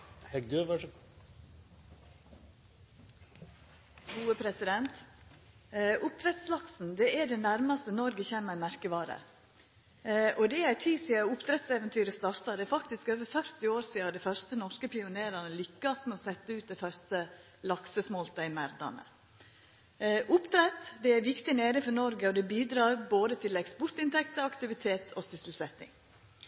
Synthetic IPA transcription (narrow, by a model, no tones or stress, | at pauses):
hɛɡd̪øʋ | ɡuːəpʰɾɛsɪd̪ɛnt̪ | ʔʊp̚t̪ʰɾɛt̪slɑksn̩d̪ɛæɖɛnæɾmɑst̪ənɔɾɡəçeːməɾmæɾkəʋɑːɾə̰ | ʔɔd̪ɛæɾt̪ʰiːsɪɑʊpt̪ɾɛt̪sɛːʋɛnt̪ʰyːɾəst̪ɑːɾt̪ɑd̪ɛæɾfɑkt̪ɪskøːʋəɾfœɾt̪ɪoːɾsiːɑd̪ɛɪfœɾst̪ənɔʂkəpɪʊneːɾɑnəlʏkːɑsmɛɔsɛt̪ːəʉːt̪̚d̪ɛɪfœɾst̪ə | lɑksəsmɔlt̪ɑɪmæɾd̪ɑ̰nə̰ | ʔʊpt̪ɾɛt̪d̪ɛæɾʋɪkt̪ɪneːɾɪŋfɔɾnɔɾɡəɔd̪ɛbiːd̪ɾɑːɾboːd̪ət̪ʰɪlɛkspɔɾt̪ɪnt̪ʰɛkt̪əɾɑkt̪ɪʋɪt̪ʰeːt̪ʰɔsʏsəl̩sɛt̪ːɪ̰ŋ